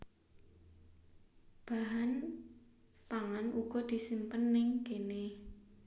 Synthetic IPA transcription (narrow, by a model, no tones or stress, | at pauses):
b̥aɦan | paŋanʔuɡ̥ɔ̤d̪̥i̤simpənːɪŋkene